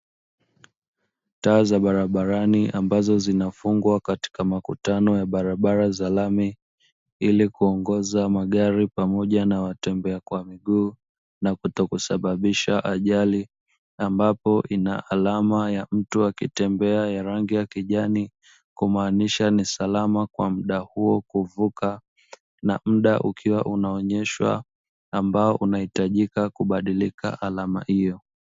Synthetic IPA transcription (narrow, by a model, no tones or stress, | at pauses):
taːzaɓaɾaɓaɾaniʔambazɔzinafuŋɡwakati̥kamakutanɔjaɓaɾaɓaɾazalami | ilikuɔŋɡɔzamaɠaɾipamɔʄanawatɛmbɛakwamiɠuː | nakutɔkusaɓaɓiʃaʔaʄali | ambapɔʔina̰ʔalamajam̩tuakitɛmbɛajaɾaŋɡijakiʄani | kumaːniʃanisalamakwa̰m̩ɗahuɔkuvuka | na̰m̩ɗaʔukʰiwaʔunaɔɲɛʃwa̰ː | mbaɔʔunahitaʄikakuɓaɗilika̰ʔalama̰hijɔ